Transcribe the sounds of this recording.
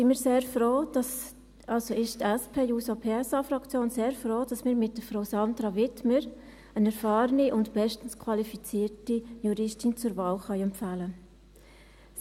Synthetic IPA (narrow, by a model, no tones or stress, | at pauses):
simiːɾseːɾfɾoːd̥ɑs | ɑlsoɪʃtɛspʰeːjuːsopʰeɛsɑfɾɑkt͡sjoːnseːɾfɾoːd̥ɑsmɪːɾmɪt̚d̥əfɾoʊsɑndɾɑʋɪtməɾ | ənɛɾfɑːɾəniʔʊntb̥ɛʃtən̩skʰwɑlifit͡siːɾtijuɾɪʃtint͡sʊɾvɑːlχœʏɛmpfæːlə